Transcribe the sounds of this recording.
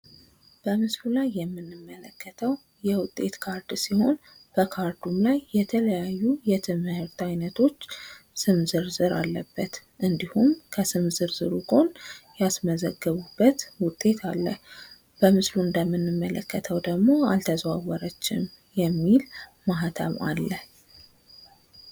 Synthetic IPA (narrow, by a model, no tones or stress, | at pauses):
b̥əmɨslulajːɛmːɨnːɨmːələkːət̪ʰəw | jɛwʊt̪ʼːe̞t̪kʰaɾd̪siho̞n | b̥əkʰaɾd̪umlajːɛt̪ʰələjajːujɛt̪ʰɨmhɨɾt̪ajnət̪ʰo̞t͡ʃːsɨmzɨɾzɨɾa̰lːəbːət̪ | ʔɨnd̪ihumkʰəsɨmzɨɾzɨɾukʰʼo̞njasməzəɡːəβubːət̪wʊt̪ʼːe̞t̪ʰalːəh | b̥əmɨsluɨnd̪əmːɨnːɨmːələkːət̪ʰəwd̪əɡmo̞a̰lt̪ʰəzwawɔɾət͡ʃːɪm | jɛmːilmaɦat̪ʰə̰βa̰lːəh